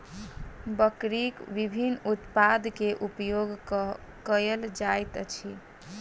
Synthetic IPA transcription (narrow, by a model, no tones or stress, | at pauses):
bəkɾikʋibʱinut̪pad̪keʔupjoɡ | kəjəld͡ʒajt̪t͡ʃʰi